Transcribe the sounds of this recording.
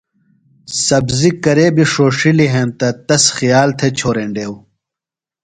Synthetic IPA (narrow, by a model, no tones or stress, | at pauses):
sɐbzikɐɾeːbiʂoːʂiliɦẽːnt̪ɐt̪ɐsxijaːlt̪ʰet͡ɕʰoːɾeːɳɖeːw